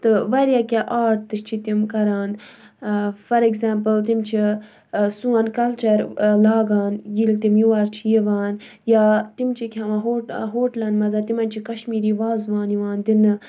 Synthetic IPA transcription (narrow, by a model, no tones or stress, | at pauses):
t̪ɨʋɐɾjaːkʲaʔaːʈt̪ːɨʃt͡ʃʰit̪imkɐɾaːn | fɐɾeɡzaːmpəlt̪imt͡ʃʰi | suɐnkɐlt͡ʃɐɾlaːɡaːnjilt̪imjuʋaɾt͡ʃʰijiʋaːn | jaːt̪imt͡ʃʰikʰʲɦɐʋaɦoːʈɦoːʈlɐnmɐzaːt̪imɐnʲt͡ʃʰikɐʃmiːɾiːʋaːzʋaːniʋaːnd̪inɨ